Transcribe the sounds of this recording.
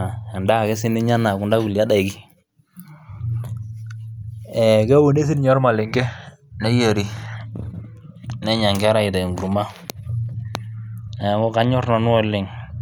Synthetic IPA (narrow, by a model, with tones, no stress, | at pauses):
ɛ˨nda˦˨kɛ˦sɪ˦nɪ˦ɲa˦na˨kʊ˨nda˦ku˨la˦da˨ɪ˨ki˦ | ɛ˨kɛ˦wo˨ne˦s̬i˦nɲɔ˦ɾma˨lɪ˨ŋɡɛ˦ | nɛ˦je˨ɾi˨ | nɛ˦ɲa˨ŋɡɛ˦ɾa˦˨ɪ˨ta˨ŋɡu˨ɾma˦ | ɛ˨˦ŋɔ˦ka˦ɲɔ˦rna˨n˦wɔ˦lːɪ˨ŋ